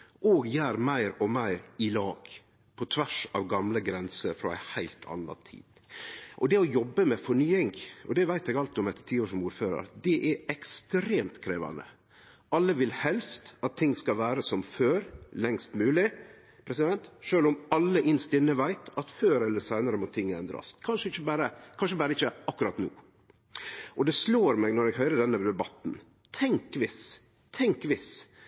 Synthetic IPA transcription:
ʔoːɡjæːɾmæɪɾɔmæɪɾɪlɑːɡ̥ | pʰɔt̪ʰʋæʂɑ̰ʋɡɑmləɡɾɛnsəɾfɾɔ̰æ̰ɪhæɪlt̪ʰɑ̰nːɑ̰t̪ʰḭːd̪̥ | ʔɔd̪ɛɔjɔbːəmɛfɔɳyːɪŋɔ̰d̪ɛʋæɪt̪ɛɡɑlt̪ɪɔmɛt̪ːə̥t̪ʰiːoːʂɔmuːɾføːɾɑ̰ɾd̪ɛʔɛɾɛkst̪ɾeːmt̪kʰɾeːʋɑ̰nə̰ | ʔɑlːəʋɪlhɛlst̪ɑt̪ʰːɪŋːskɑlʋæːɾəsɔmføːɾlɛŋst̪mʉːlɪ | pʰɾɛsɪd̪ɛnt̪ʂøːlʊmɑlːəʔɪnst̪ɪnːəʋæɪt̪ɑt̪føːɾɛlːəsæɪnəɾəmɔt̪ʰɪŋːɛnd̪ɾɑ̰sʰɑnʂəɪçəbæːɾəkʰɑnʂ̬əbæːɾəɪçəʔɑkːʉɾɑt̪nṵː | ʔɔd̪ɛsloːɾmɛɡnɔɾɛɡɦœʏɾəɖ̪ɛnːəd̪ɛbɑt̪n | t̪ʰɛŋkʋɪs | t̪ʰɛŋkʋɪs

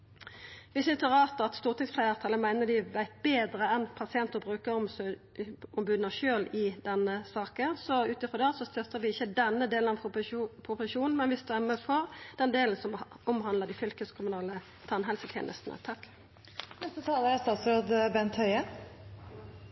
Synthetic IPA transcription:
ʋɪsʏnst̪əʁɑːt̪ɑt̪st̪uːʁt̪ʰɪŋsflæɪɑt̪ʰɑːləmæɪnəd̪ɪʋæɪt̪̚beːd̪ɾəɛnpʰɑsɪɛnt̪əbʁʉːkə | ɔmbʉːd̪nəʃøːlɪd̪ɛnːəsɑːkənsɔʉːt̪ɪfʁɔd̪ɛːsɔst̪œt̪ːəʁʋɪɪçːəd̪ɛnːəd̪eːlnɑpʰʁʊpʊsʃuːnn̩mɛnʋɪst̪ʉæmːɛfɔʁd̪ɛnd̪eːln̩sɔm | ɔmɦɑnləʁd̪ɪfʏlkəskʰʊmʉnɑːlə | t̪ʰɑnɦɛlsət̪ʰḛːnʔə̰st̪n̩ʔə̰t̪ʰɑkː | nɛsət̪ʰɑːləɾɛst̪ɑːt̪sɾoːd̪bɛnt̪hœʏə

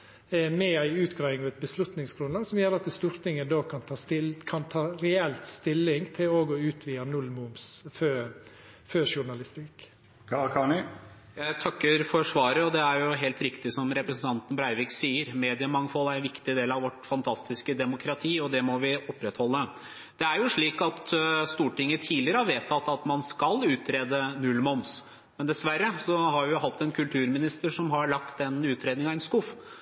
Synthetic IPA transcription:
mɛæɪʉːt̪ɡɾæɪɪŋɔʋæt̪̚bəslʉt̪nɪŋsɡɾʉnlɑːɡsɔmjøːɾɑt̪əst̪uːɾt̪ɪŋənd̪oːkʰɑnt̪ʰɑːt̪ɪlkʰɑnt̪ʰɑːɾɛɛlt̪st̪ɪlːɪŋt̪ʰɪloːɡɔʉːt̪ʰʋiːənʉlmʊmsfø | føːʃʊɳɑlɪst̪ɪkʰ | ɑkʰɑnɪ | jæɪt̪ʰɑkːəɾfɔʂʋɑːɾəɔd̪ɛæɾjʊɦeːlt̪ɾɪkt̪ɪsɔmɾɛpɾəsn̩t̪ʰɑnt̪ən̩bɾæɪʋɪksiːəɾmeːd̪ɪəmɑŋfɔlæɾɛnʋɪkt̪ɪd̪eːlɑʋɔʈfɑnt̪ʰɑst̪ɪskəd̪ɛmʊkʰɾɑt̪ʰiːɔd̪ɛmɔʋɪɔpːɾɛt̪hɔlːə | d̪̥ɛæɾjʊʂɭiːkɑt̪st̪uːʈɪŋːət̪ʰiːlɪəɾəɑɾʋeːt̪ʰːɑt̪ːɑt̪mɑnskɑlʉːt̪ɾeːd̪ənʉlmɔns | mɛnd̪ɛsʋæɾːəsɔhɑɾʋɪjʊɦɑt̪ːɛnkʰʉlt̪ʰʉːɾmɪnɪst̪əʂɔmɦɑɾɭɑkt̪ɛnʉːt̪ɾeːd̪nɪŋɑɛnskʊf

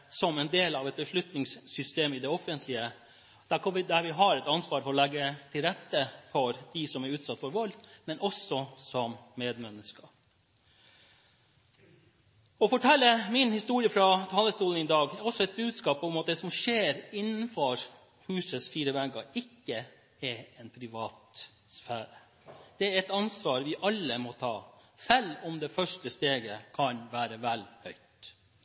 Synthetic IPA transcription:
sɔmɛnd̪eːlɑʋɛt̪̚bəʂlʉt̪nɪŋssʏst̪eːmɪd̪ɛɔfənt̪ʰlɪə | d̪̥æɾkʰɑnʋɪd̪æɾʋɪɦɑɾɛt̪ɑnsʋɑːɾfɔɾɔlɛɡːət̪ʰɪlɾɛt̪ːəfɔɾd̪̥ɪsɔmæɾʉːt̪sɑt̪ːfɔɾʋɑlmɛnɔsɔsɔmmeːd̪mɛnːəskɑ | ɔfɔʈʰɛlːəmɪnhɪst̪uːɾɪəfɾɑt̪ʰɑːləst̪uːlənɪd̪ɑːɡɔsːɔɛt̪̚bʉːd̪skɑːpɔmɑt̪̚d̪ɛsɔmʂeːɾɪnːnfɔɾ | hʉːsəsfiːɾəʋæɡɑɪkːə | ɛɾɛnpʰɾɪʋɑːt̪ | sfæːɾə | d̪̥ɛæɾɛt̪ɑnsʋɑːɾʋɪʔɑlːəmɔt̪ʰɑːsɛlːɔmd̪ɛfœʂʈəst̪eːɡəkʰɑnʋæːɾəʋælhœʏt̪

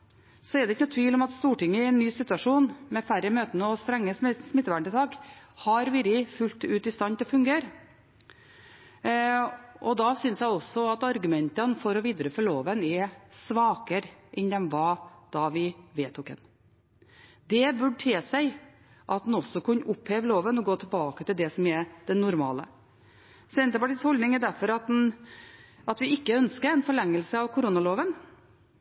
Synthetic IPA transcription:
sɔɛɾd̪ɛɪçənɔt̪ʰʋiːlɔmɑt̪st̪uːʈɪŋːəɪɛnːyːsɪt̪ːʉɑʂuːnmɛfæɾəmøːt̪ənəɔst̪ɾɛŋːəssmɪt̪ːʋæɳʈɪt̪ʰɑːkhɑɾʋɪɾɪfʉlt̪ʉːt̪ɪst̪ɑnt̪ʰlfʉŋɡeːɾ | ʔɔd̪ɑsʏnsjæɪɔsɔɑt̪ɑɾɡʉmɛnt̪ənfɔɾɔʋiːd̪ɾəfɔɭoːʋənɛsʋɑːkəɾʔɛnd̪ɛnʋɑːd̪̥ɑʋɪʋeːt̪ʰːʊkɛ̰n | d̪ɛbʉɖʈʰeːsæɪ | ʔɑt̪̚nɔsːɔkʰʉnːəʔʊpheːʋəloːʋənɔɡoːt̪ʰɪlbɑːkət̪ɪld̪ɛsɔmɛɾd̪̥ɛnːʊɾmɑ̰ːlə | sɛnt̪əpɑʈiːshɔld̪nɪŋæd̪æɾfɔɾɑt̪̚n | ɑt̪ʋɪɪkːəœnskəɾɛɪnfɔɭɛŋːəlsəɑʋkʰʊɾunɑloːʋən

